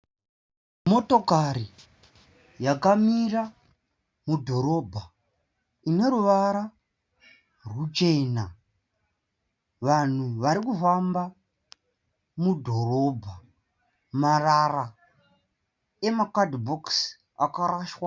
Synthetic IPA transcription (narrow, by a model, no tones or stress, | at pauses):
mo̞to̞kaɾi | jakamira | mudʱo̞ɾo̞bʱa | ine̞ɾuʋaɾa | rut͡ʃe̞na | ʋan̤uʋaɾikufamba | mudʱo̞ɾo̞bʱa | marara | emakadbʱoks | akaɾaːʃwa